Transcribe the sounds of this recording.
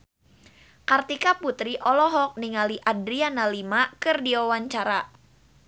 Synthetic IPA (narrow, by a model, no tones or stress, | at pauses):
kart̪ikaput̪ɾiʔɔlɔɦɔk̚niŋaliʔadɾianalimakɨrdiwawaɲt͡ʃaɾa